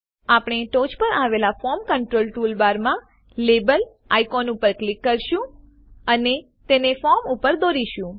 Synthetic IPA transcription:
apɽ̃eʈod͡ʒpəɾaʋelafɔmkəɳʈɾolʈulbaɾmã | lebəl | a̰jkɔnupəɾklɪkːəɾʃũ | əne | t̪enefɔɾmupəɾd̪oɾiʃũ

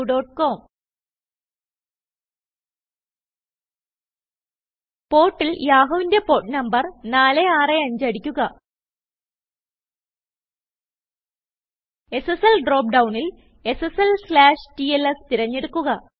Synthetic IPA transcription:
ɖo̞ːʈko̞ːm | po̞ːʈːiljaːɦɐʋinde̞po̞ːʈnɐmbɐrnaːleaːreɐɲd͡ʑɐɽikʲːuɣɐ | e̞seselɖro̞ːp̚ɖɐwɳil | e̞seselslaːʂtielest̪iɾɐɲːeɽukːuɣɐ

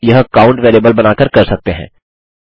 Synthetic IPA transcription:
jɐɦkaːʊ̃ɳʈʋeːleːbəlbɐnaːkəɾkɐɾsɐk̚t̪eɦɛ̰̃ː

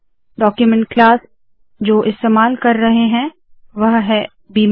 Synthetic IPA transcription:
ɖɔːkjumɛ̃ɳʈ̚klaːs | d͡ʒoːʔɪst̪eːmaːlkɐɾːɐɦeɦɛ̃ | ʋɐɦɦɛ | biːm

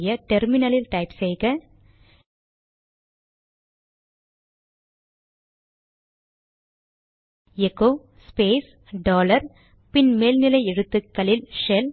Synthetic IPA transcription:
jɐʈɛɾmɪnɐlɪlʈɐɪpsɛjɣɐ | ɛkoː | speːs | ɖoːlɐɾ | pɪnmeːlnɪlɐɪɛɻɯt̪ːɯkːɐlɪlʂɛl

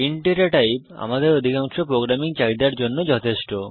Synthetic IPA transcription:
iɳʈeɾaʈajpa̰mad̪eɾod̪ʱikaŋʃopɾoɡɾamiŋt͡ɕajd̪aɾd͡ʑonːod͡ʑɔt̪ʰeʃʈo

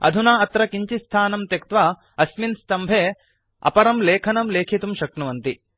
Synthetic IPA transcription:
ɐ̰d̪ʱunaːɐt̪ɾɐkiɲt͡ʃist̪ʰaːnɐmt̪jɐkt̪ʋa | ɐsminst̪ɐmbʱeː | ɐ̰pɐɾɐmleːkʰɐnɐmleːkʰit̪umʃɐkɳɐʋɐnt̪i

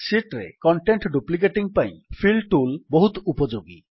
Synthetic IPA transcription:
siʈɾḛkɔɳʈeɳʈɖuplik̬eʈiŋpaj̃pʰilʈulboɦut̪upɔd͡ʒoɡḭ

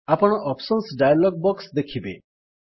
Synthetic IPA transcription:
apɔɽ̃ɔʔɔpsɔnsɖajalɔɡ̚bɔksd̪ekʰibe

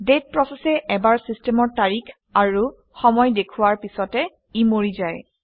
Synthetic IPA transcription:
det̚pɹɔsɛsɛʔɛbaɹsistɛmɔɹtaɹikʰ | aɹu | xɔmɔjdekʰuwaɹpisɔtɛ | imoɹizaj

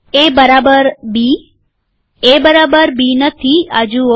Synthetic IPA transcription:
ebəɾabəɾbi | ebəɾabəɾbinət̪ʰia̰d͡ʒu

